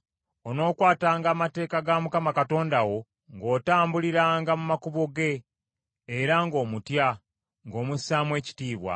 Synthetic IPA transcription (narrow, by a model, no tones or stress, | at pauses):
ono̞ːkwaːtaːŋɡaːmate̞ːkaɡamukamakato̞ːndawo̞ | ŋɡo̞ːtaːmbuliɾaːŋɡamumakuβoɡe̞ː | ɾaŋɡo̞ːmutja | ŋɡo̞ːmusaːmwe̞ːci̥tiːβwa̰